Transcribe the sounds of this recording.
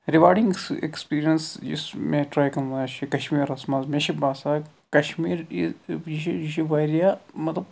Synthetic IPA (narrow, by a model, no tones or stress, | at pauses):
ɾiʋaːɾɖĩŋɡḛkspiːɾijɐnsd͡ʒḭsmẽʈɾaːjkɐnat͡ʃʰikɐʃmiːɾɐsmaːzmẽʃibaːsaː | kɐʃmiːɾiiʃiiʃiʋaːɾijaːmɐt̪lɐb